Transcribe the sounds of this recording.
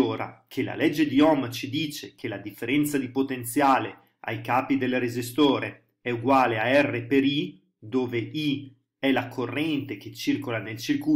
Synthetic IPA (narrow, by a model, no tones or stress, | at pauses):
oːɾa̰kʰela̰lɛd͡ʒːed̪iɔmat͡ʃid̪iːt͡ʃekʰelad̪ifːeɾɛnt̪sad̪ipot̪ent̪sjaːle | a̰jkaːpid̪elrezist̪oːɾe | ɛuɡwaːleaɛrːepeɾi | d̪oːvei | ɛlakʰorːɛnt̪ek̟et͡ʃːirkolanelt͡ʃirkuː